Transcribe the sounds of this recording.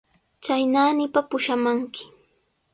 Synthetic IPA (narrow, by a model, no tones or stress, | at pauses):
t͡ʃajnaːnɪpapʊʃamaŋkɪ̥